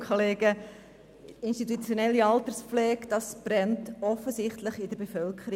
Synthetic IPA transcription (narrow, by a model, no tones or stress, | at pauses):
kʰoleːɡə | ɪnstitut͡sjonɛlːiɑltəɾsflɛːkd̥ɑsb̥rɛntɔfəzɪχtləχɪdəɾbefœlkʰəɾi